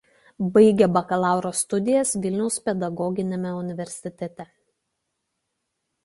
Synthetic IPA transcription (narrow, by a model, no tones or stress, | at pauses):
bɐɪɡʲɛbɐkɐlˠɑˑʊɾoːst̪ʊd̪ʲɪjɛsʋʲɪlʲnʲɛʊspʲɛd̪ɐɡɔɡʲɪnʲemʲɛʊnʲɪʋʲɛɾʲsʲɪt̪ʲɛt̪ʲɛ